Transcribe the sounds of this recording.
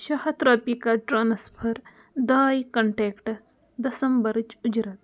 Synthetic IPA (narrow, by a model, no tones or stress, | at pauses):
ʃɐhɐt̪ɾaːpikɐʈɾaːnɐspʰɐɾ | d̪aːjkɐɳʈeːkʈɐs | d̪ɐsɐmbɐɾt͡ʃud͡ʒɾɐt̪̚